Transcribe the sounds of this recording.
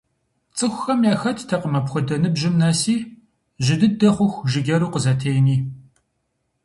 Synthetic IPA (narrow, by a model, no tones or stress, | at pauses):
t͡sʼɨxʷʊxɐmjaːxɐtʰtʰɐqəmɐpxʷʊdɐnɨbʑɪmnaːsiː | ʒɪdɨdɐχʷʊxʷʒɪɡʲɐɾuːqəzɐtʰejniː